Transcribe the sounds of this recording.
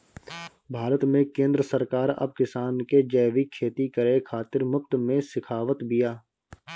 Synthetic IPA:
bʱaːɾət̪mẽkẽːnd̪ɾəsəɾkaːɾɐ̰b̚kɪsaːnked͡ʒɛːʋikʰːeːt̪ikəɾekʰaːt̪ɪɾmʊp̚t̪mẽsɪkʰaːʋət̪bijaː

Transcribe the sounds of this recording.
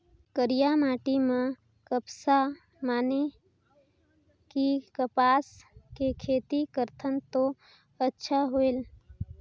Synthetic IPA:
kəɾijamaːʈimã | kəpsa | maːne | kikəpaːskekʰeːt̪ikəɾt̪ʰənt̪o | ətːʃʰaɦoel

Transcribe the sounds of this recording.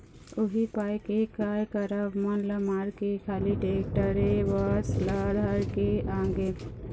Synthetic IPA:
ʊɦipaːjkekaːjkəɾəbmɐnləmaːɾkekʰaːliʈeːk̚ʈəɾeʋaslad̪ʱaɾkeãːŋɡe

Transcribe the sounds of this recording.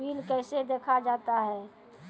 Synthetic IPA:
iːlkɛːsed̪eːkʰad͡ʒaːt̪aɦɛː

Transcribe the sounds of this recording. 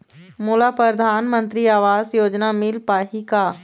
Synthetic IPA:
moːlapɾəd̪ʱaːnmə̃nt̪ɾiaːʋaːzjoːd͡ʒnamɪlpaːɦika

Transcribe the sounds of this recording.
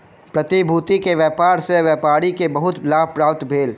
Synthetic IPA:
pɾɐt̪ibʱuːt̪ikeʋjɛːpaːɾseʋjɛːpaːɾikebɐɦʊt̪laːb̚ʱpɾaːp̚t̪bʱeːl

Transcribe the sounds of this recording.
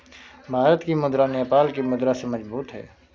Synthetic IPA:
bʱaːɾət̪kimʊd̪ɾaneːpaːlkimʊd̪ɾasemɐd͡ʒbuːt̪ɦɛ̰ː

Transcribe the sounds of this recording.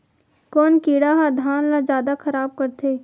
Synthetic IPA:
kɔːnkiːɽaɦad̪ʱaːnlazjaːd̪akʰɐɾaːb̚kɐɾt̪ʰeː

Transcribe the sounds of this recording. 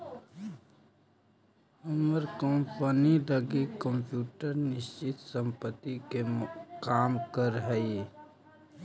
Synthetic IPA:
əməɾkəmpəniləɡekəmpjuːʈəɾnɪst͡ʃɪt̪sə̃mpət̪ːikekaːmkəɾɦɛi

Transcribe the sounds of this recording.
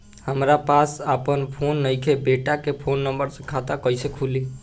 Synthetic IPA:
həmɾapasəpənpʰonːəjkʰebeʈakepʰonːəmbəɾsə̃kʰat̪akəjsekʰuli

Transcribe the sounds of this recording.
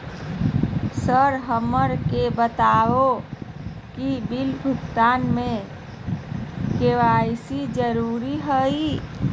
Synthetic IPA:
səɾɦəməɾkebət̪ao | kibilbʱukt̪anme | keʋajsid͡ʒəɾuɾiɦəi

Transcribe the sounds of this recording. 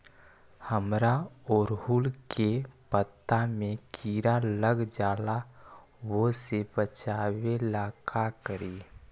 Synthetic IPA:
həmɾaoːɾɦuːlkepət̪ːamẽkiːɾaləɡd͡ʒaːla | wosebət͡ʃaːwelaːkʰakəɾiː

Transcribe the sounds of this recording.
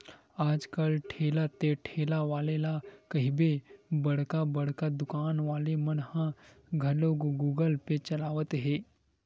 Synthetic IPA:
aːd͡ʒkɐlʈʰeːlat̪eʈʰeːlaʋaːlelakɐɦibebɐɽ̤kabɐɽ̤kad̪ʊkaːnʋaːlemɐnhã | ɡʱɐloːɡɡuːɡəlpet͡ʃɐlaːʋət̪ɦeː

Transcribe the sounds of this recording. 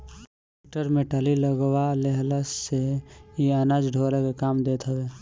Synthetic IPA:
eʈəɾmeʈaliləɡʋaleɦlassejianaːd͡ʒɖʱoːlekekaːmd̪eːt̪ɦəʋeː

